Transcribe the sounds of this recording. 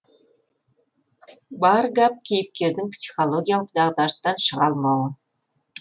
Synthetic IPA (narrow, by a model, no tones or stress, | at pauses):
bɑrɡɑp̚kʲejɘp̚kʲerd̪ɘŋpsʲi̥xolˠoɡʲijɑlˠə̆qd̪ɑʁd̪ɑrt̪ːɑnʃɤ̆ʁɑlˠmɑwɤ̆